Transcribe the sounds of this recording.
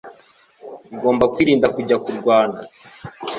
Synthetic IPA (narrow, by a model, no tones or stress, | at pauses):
uɡo̞ːmbakwiːɾiːndakuɟakuɾɡwaːna